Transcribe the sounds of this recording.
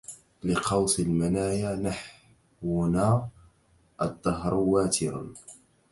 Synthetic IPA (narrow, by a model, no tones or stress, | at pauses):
lɪqʰɑwsˤɪlmanaːjaːnaħ | wnaː | ʔɑd̪ˤːɑɦɾwaːt̪ʰɪɾa̰n